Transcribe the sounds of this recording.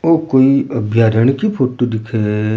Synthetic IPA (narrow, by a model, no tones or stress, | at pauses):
oːkoːiɐbʱjaːɾəɽ̃kipʰoːʈod̪ɪkʰe